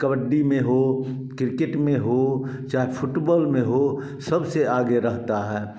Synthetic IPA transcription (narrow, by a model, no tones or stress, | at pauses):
kəʋəɖːimẽɦo | kɾɪkeʈmẽɦot͡ʃaːɦepʰʊʈbɔːlmẽɦo | sɐbseaːɡeɾɐɦt̪aɦɛː